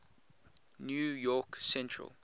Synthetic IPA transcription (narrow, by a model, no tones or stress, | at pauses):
njujɔksɛ̃ntʰɹə̰l